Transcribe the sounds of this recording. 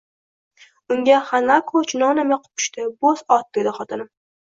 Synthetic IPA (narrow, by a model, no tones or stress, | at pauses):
ʊŋɡʲaχanakʰot͡ʃʰnɒnamaqʰʊ̥p̚ʰʊ̥ʃt̪ɪbosɒt̪̚d̪̥ed̪ɪχɒt̪ʰɪnɪm